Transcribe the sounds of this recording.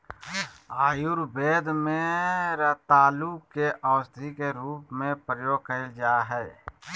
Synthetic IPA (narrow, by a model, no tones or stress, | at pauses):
aːjuɾbeːd̪mẽɾət̪aːlukkeʔəːsd̪ʱikeɾuːpmẽpɾəjoːɡ̚kəd͡ʒaːɦɛː